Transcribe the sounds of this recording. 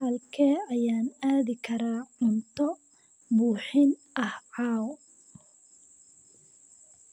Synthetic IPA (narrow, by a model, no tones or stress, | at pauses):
hɐlkʰɛːɐjaːnaːðɪkʰɐɾaːʕʊnt̪ʰɔ | buːħɪnʔɐhʕɑːwɔ